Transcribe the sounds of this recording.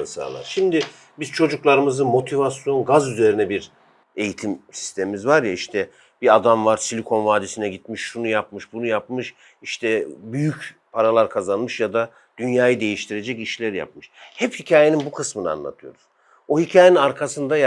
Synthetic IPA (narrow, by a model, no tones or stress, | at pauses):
sa̰ːlˠa̰ɾʃimd̪ɪ | biz̥t͡ʃʰo̞d͡ʒuklˠaɾɯmɯzɯmo̞t̪ʰivasjo̞nɡazyze̞ɾinɛbiɾ | e̞jit̪ʰimsi̥st̪ʰemimizvaɾjaiʃt̪ʰɛ | b̥iad̪amvaɾsilʲikʰo̞nvaːd̪isinɛɟit̪miʃʃunujapmɯʃbunujapmɯʃ | iʃt̪ʰɛbyjyc | pʰaɾalˠaɾkʰazanmɯʃjad̪a | d̪̥ynjaːjɯd̪e̞jiʃt̪ʰiɾe̞d͡ʒɛciʃlʲæɾja̰p̚mɯʃhɛphicʰaːjeninbukʰɯsmɯnɯa̰nlˠa̰t̪ʰɯjo̞̰ɾuz̥ | ohicʰaːjeninaɾkʰasɯnd̪aj